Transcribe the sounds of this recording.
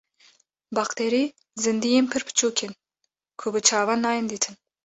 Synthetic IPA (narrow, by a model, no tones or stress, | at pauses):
bɑqt̪ʰeːɾiː | zɨnd̪ijeːnpʰɨɾpʰɨ̥t͡ʃʰuːkʲʰen | kʰʊbɨt͡ʃʰɑːvɑnːɑːjɨnd̪iːt̪ʰɨn